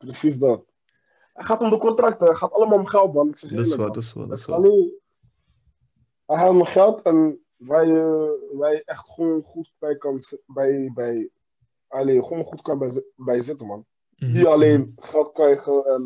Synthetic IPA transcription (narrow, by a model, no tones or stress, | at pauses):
prəsis̬dat | ɛtχaːtɔmdəkɔntrɑk̚təχaːtɑləmaːlˠmχɛlˠt̚bɑnəksɛχnək | ɑleːn | ɛɦɛməχɛlˠtʰɛn | ʋɛjəʋɛjɛχtχʋoːnχut̚b̥ɛjkɑnbɛjbɛj | ɑleχoːnχutkɑnbbɛjzɪtəmɑn | diɑleːnχɛlˠt̚krɛjχəɛn